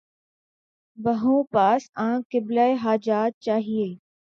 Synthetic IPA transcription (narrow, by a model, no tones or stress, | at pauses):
bɐɦũːpaːsãːkɪblaːeɦaːd͡ʒaːt̪̚t͡ʃaːɦieː